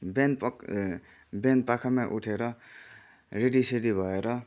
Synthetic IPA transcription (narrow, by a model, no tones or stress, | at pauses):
ben | ben̚pakʰamaʔuʈʰeɾʌ | reɖiseɾibʱʌeɾʌ